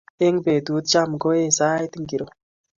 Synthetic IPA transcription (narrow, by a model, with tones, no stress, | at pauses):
e˦ŋbe˨d̪u˨˦t̪̚t͡ʃa˦˨mɡo˦e˦sa˦jt̪i˦ŋɡi˨ɾo˨